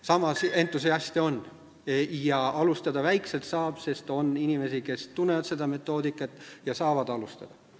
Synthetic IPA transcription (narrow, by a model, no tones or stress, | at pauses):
sɑmɑse̞nt̪ːˑus̬eɑsʲt̪io̞nː | jɑʔɑlust̪ɑd̪ɑvæjkse̞lt̪sɑːb̥se̞st̪o̞ninime̞sike̞st̪unːe̞vɑt̪se̞d̪ɑme̞t̪ːˑo̞ːd̪ikːˑɑt̪ːˑjɑsɑːvɑd̪ɑlust̪ɑ̰d̪̥ɑ